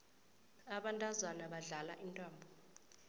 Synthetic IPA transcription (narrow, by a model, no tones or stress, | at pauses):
aɓantʼazwanaɓaɮalaʔintʼaːmbʱɔ